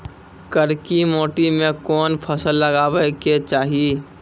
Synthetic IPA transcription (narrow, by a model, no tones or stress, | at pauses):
kəɾkimoːʈimẽkɔːnpʰəsəlːəɡaːwəɪket͡ʃaːɦi